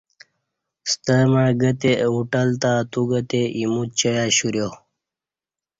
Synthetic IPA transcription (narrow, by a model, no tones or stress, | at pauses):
st̪əmaːɡət̪euʈəlt̪at̪uɡət̪eimut̪̚t͡ɕəjaːɕuɾjo